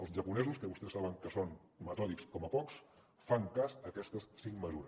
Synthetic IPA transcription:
əlˠzʒəpunɛzuskəβust̪ɛsːaβəŋkəson | mət̪ɔlikskɔməpɔks | faŋkasəkɛst̪əssiŋməzuɾəs

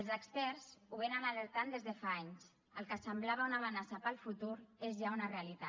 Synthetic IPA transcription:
əlzəkspɛɾzuβenamaləɾt̪and̪ezðəfaaɲs | əlˠkəsəmblaβ̞aunaβənasapəlˠfut̪uɾezʒaunarealit̪a

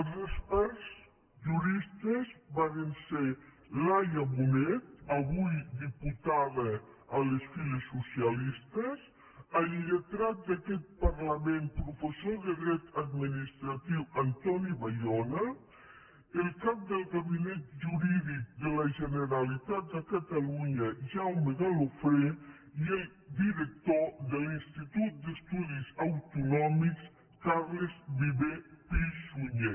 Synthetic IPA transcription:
əlzospaɾz | ʒuɾist̪əzbaɾense | lajəmunɛt̪aβujd̪iput̪aðə | əlesfilesːusialist̪əz | alʎət̪ɾat̪̚d̪akɛt̪̚paɾlamempɾufesoðeɣɾɛt̪ad̪minist̪ɾat̪iwɐnt̪ɔniβajɔna | əlˠkap̚d̪əlˠɣaβinɛt̪̚ʒuɾiðik̚d̪ələʒənəɾalit̪at̪̚d̪əkat̪aluɲəʒawməðalofɾe | iel | d̪iɾək̚t̪od̪əlinst̪it̪ut̪̚d̪əst̪uðizawt̪unɔmiks | kaɾləzβiβepiʃuɲe

